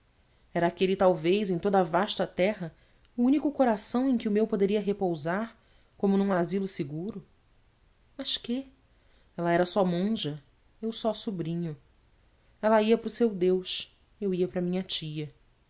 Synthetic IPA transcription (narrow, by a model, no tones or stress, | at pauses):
ɛɾɐaːkelɪt̪awvejzẽj̃t̪od̪ɐavaʃt̪ɐt̪ɛɦɐ | uũnikʊkoɾasɐ̃w̃ẽj̃kɪʊmewpod̪eɾiɐɦepowzaɾ | kõmʊnũazilʊsɪɡuɾʊ | mɐʃkɪ | ɛlɐɛɾɐsɔmõʒɐ | ewsɔsubɾĩɲʊ | ɛlɐiɐpɾʊsewd̪ewʃ | ewiɐpɾɐmĩɲɐt͡ʃiɐ